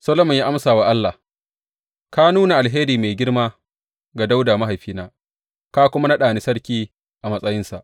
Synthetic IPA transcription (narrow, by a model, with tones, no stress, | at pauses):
sɐ˦lo˦mʊ˨ɲja˦ʔa˦msaː˨wa˦ʔa˦lːa˨h | ka˦nuː˦na˨ʔa˨lɦeː˦ɾiː˨me˨ɡʲɪ˦ɽmaː˦ | ɡa˨da˦wdaː˨ma˦ɦa˨jɸiː˦naː˦ | ka˦kʷʊ˦ma˦na˦ɗaː˨ni˦sɐ˦ɽkʲiː˦ | ʔa˨mɐ˦sʼɐ˦jɪ˦nsa̰˨ʔ